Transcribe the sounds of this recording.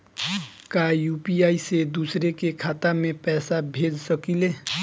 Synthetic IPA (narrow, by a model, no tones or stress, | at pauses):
kajupiaised̪usɾekekʰat̪amepɛːsabʱed͡ʒsəkile